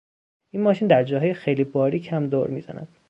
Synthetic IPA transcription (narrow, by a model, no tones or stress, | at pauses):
iːnmɒːʃiːnd̪æɾd͡ʒɒːɦɒːjexejliːbɒːɾiːcʰhæmd̪o̰ɾmiːz̥æ̰næ̰d̪̥